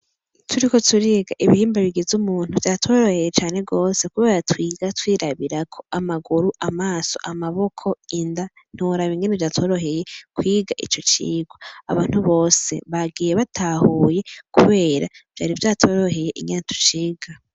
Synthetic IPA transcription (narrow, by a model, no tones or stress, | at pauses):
tʰuɾiko̞tuɾiɡaʔiβihiːmbaβiɡizumuːn̥huvjaːtʰo̞ːɾo̞he̞jet͡ʃaːne̞ɡo̞ːse̞kuβe̞ːɾatwiːɡatwiːɾaβiɾakʰo̞amaɡuɾuʔamaːso̞̰ʔamaβo̞kʰo̞inda | n̥huɾaβiŋɡenevjaːto̞ɾo̞ɦe̞je̞kwiːɡaʔḭt͡ʃot͡ʃḭːɡwoa̰βaːn̥huβo̞ːse̞̰βaɡiːjeβatʰahuːje̞kuβe̞ːɾav̥jaːɾivjaːtʰo̞ɾoɦe̞je̞ʔḭŋɡenetʰu̥t͡ʃiːɡa